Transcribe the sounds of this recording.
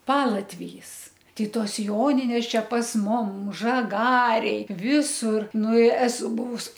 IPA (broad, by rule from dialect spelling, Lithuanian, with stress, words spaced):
ˈpɑːlˠɐtʲʋʲɪjiːs tɐɪ ˈtoːs ˈjoːnʲɪnʲeːs ˈt͡ʃʲɛ pɐs ˈmʊm ʒɐˈɡɑːrʲeːj ˈʋʲɪsʊr ˈnʊ ɪ ˈæːsʊ ˈbʊʋʊs